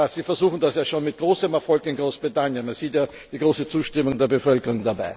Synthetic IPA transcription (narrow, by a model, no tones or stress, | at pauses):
az̥iːfɛɐzuːxn̩dasjaːʃoːnmɪt̚ɡ̥ʁoːsəmɛɐfɔlkɪnɡʁoːsb̥ʁitanjənmanz̥iːtjaː | d̥iːɡʁoːsət͡suːʃtɪmʊŋdeːɐbəfœlkəʁʊŋdabaɪ